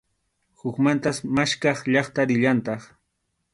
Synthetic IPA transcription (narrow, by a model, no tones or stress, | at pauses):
hʊkmant̪asmaʃkɑχʎɑχt̪aɾɪʎant̪ɑχ